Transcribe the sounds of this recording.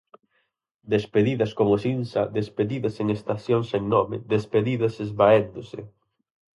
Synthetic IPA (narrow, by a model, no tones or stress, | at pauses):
d̪espeðiðɐskomʊsinsaðespeðiðɐseŋest̪aθjoŋseŋnɔmɪðespeðiðɐsezβaend̪ʊsḛ